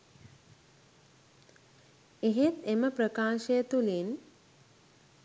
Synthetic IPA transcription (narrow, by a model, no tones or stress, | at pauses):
eɦet̪eməpɾəkaːʃejət̪ulin